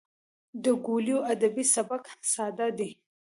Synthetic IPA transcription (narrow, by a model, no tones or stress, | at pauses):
d̪əɡuljoad̪abisabaksɑd̪ad̪i